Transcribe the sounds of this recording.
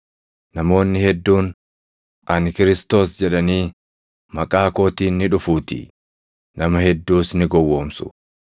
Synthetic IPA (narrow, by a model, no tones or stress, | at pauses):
nɐmo̞ːnːɪhɛd̪ːuːn | ʔɐnkɪɾɪst̪o̞ːsd͡ʒɛᶑɐniː | mɐkʼaːko̞ːt̪iːnːɪᶑʊfuːt̪ɪ̰ | nɐmɐhɛd̪ːuːsnɪɡɔwːo̞ːmsʊ̥̰